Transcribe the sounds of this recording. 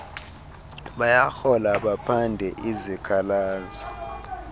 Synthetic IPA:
ɓajaxɔlaɓapʰandʱɛʔizikʰalaːzɔ

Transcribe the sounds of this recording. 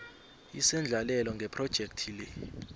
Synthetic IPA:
ḭsɛnd͡ɮʱalɛlɔŋɡʱɛpʰrɔd̥ʒ̥ʱɛk̚tʰilɛ

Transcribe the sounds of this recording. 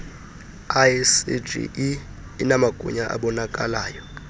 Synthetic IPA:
asid͡ʒḭ | inamaɡ̥ʱṵɲaʔa̰ɓɔnakʼalaːjɔ

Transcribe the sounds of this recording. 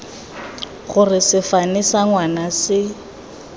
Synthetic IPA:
χʊrɪsɪfanɪsaŋwanasɪ

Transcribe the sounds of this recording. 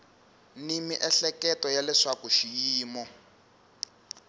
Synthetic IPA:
nimiʔɛɬɛkɛtɔjalɛʂakuʃijiːmɔ

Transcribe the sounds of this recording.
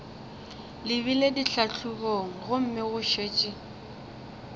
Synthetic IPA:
lɪβilediɬaɬʰukoŋ̩ɣʊm̩mɪɣʊʃeːt͡ʃʼɪ

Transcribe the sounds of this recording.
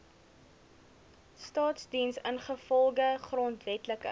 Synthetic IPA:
stɑːtsdinsənχəfɔlˠɡəχrɔntvɛtləkə̰

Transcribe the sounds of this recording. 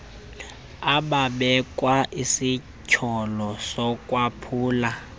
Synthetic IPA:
aɓaɓɛkʼwaʔisi | cʰɔlɔsɔkʼwapʰuːla

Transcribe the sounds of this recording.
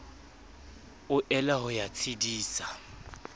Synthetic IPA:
ʊʔɛlaɦʊjat͡sʰidiːsa

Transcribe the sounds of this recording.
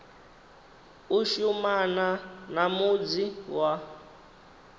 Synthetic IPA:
uʃumananamud͡ziwa

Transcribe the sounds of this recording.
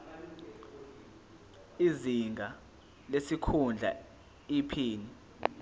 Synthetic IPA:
iziŋɡʱa | lesikʰund͡ɮʱa̰ | ipʰiːni

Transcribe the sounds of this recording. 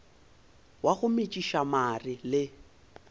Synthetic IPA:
waɣʊmɪt͡ʃʼiʃamarɪlɪ

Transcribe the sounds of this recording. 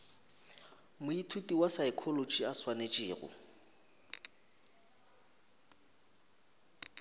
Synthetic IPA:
mʊitʰutʼiwasaɪkʰɔlot͡ʃʼiaswanet͡ʃʼɪːɣʊ̰

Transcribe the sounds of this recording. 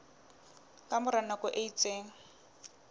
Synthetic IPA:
kʼamʊɾanakʊʔeit͡sʼeːŋ̩

